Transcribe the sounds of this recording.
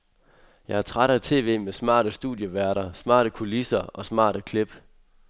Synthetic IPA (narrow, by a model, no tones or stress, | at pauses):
jɑ̈ɪhæt͡sʰʁaɾ̥æt͡sʰe̝̰ːʋe̝̰ːmesmɑ̰̈ːɾəsd̥ṵðˠjəʋæɐɾɐsmɑ̰̈ːɾ̥əkʰulisɐɒ̽smɑ̰̈ːɾəkʰleb̥